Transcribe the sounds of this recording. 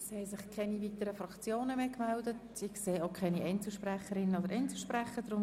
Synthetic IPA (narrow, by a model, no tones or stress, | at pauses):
shɛɪsɪχkʰɛnivitəɾəfɾɑkt͡sjoːnəmeːkmældət | ɪχseːokʰɛniʔɛɪnt͡sl̩ʃprɛχəɾɪnəodəɾʔɛɪnt͡sl̩ʃpɾɛχəd̥ɾʊ